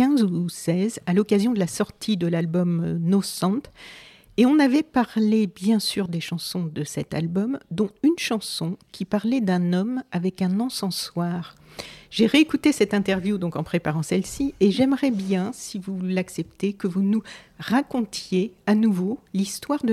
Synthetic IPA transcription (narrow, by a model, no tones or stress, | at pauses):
ɛ̃zusɛzalɔkazjɔ̃d̪əlasɔʁt̪ʰid̪əlalbɔmnɔsɑ̃t̪ | eɔ̃navɛpaʁlebjɛ̃syʁd̪eʃɑ̃sɔ̃d̪əsɛt̪a̰lbɔmd̪ɔ̃ynʃɑ̃sɔ̃kʲipaʁlɛd̪ɛ̃nɔmavɛkɛ̃nɑ̃sɑ̃swaːʁ | ʒ̥eʁeːkut̪esɛt̪ɛ̃t̪ɛʁvjud̪ɔ̃kɑ̃pχepaʁɑ̃sɛlsieʒɛmʁɛbjɛ̃sivulaksɛpt̪ekəvunuʁakɔ̃t̪jeanuvolist̪waʁd̪ə